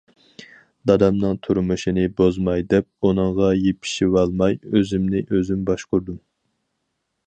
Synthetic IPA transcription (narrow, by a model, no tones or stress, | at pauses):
d̪ɑd̪ɑmnɨŋt̪ʰuɾmɨʃinɪbozmɑjd̪ɛp̚unɨŋʁɑjepʰi̥ʃiwɑlˠmɑjøzɪmnɪʔøzymbɑʃquɾd̪um